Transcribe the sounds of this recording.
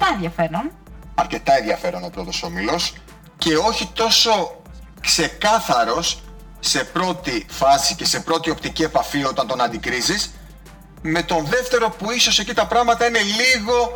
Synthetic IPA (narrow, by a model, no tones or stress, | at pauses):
t̪ɐenðjɐfe̞ɾon | ɐɾce̞t̪ɐenðjɐfe̞ɾono̞pɾo̞t̪o̞so̞milo̞s | ce̞o̞çit̪o̞so̞ | kse̞kɐθɐɾo̞sː | e̞pɾo̞t̪ifɐsice̞se̞pɾo̞t̪io̞pt̪icie̞pɐfio̞t̪ɐnt̪o̞nɐnd̪ikɾizis | me̞t̪o̞nðe̞ft̪e̞ɾo̞puiso̞se̞cit̪ɐpɾɐɣmɐt̪ɐine̞liɣo̞